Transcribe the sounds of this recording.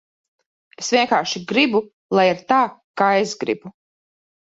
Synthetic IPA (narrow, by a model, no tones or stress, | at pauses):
esvʲiɛŋkaːɾʃiɡɾibu | lˠajiɾt̪aːkaːesɡɾḭbu